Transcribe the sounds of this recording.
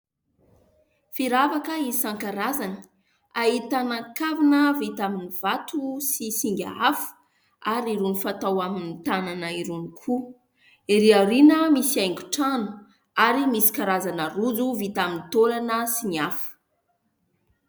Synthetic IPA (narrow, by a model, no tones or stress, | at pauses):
fiɾavakəisaŋkaɾazani̥ | aɦit̪anaŋkavinəvit̪aminivat̪usisiŋɡʲa̰afu̥ | aɾiɾunifat̪awaminit̪ananəiɾunikʰu | iɾiaɾinəmisiajŋɡu̥ʈ͡ʂanu̥ | aɾimisi̥kaɾazanərud͡zuvit̪aminit̪olanəsiniafu̥